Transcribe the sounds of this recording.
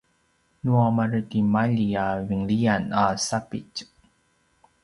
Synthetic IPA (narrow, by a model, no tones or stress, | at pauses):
nuamaɾətimaʎiaviŋlianasapḭc